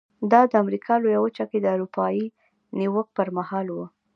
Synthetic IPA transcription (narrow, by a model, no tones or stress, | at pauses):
d̪ɑd̪əamɾikʰɑlojawət͡ʃaked̪əaɾupɑji | niwək̚pəɾmahɑlwə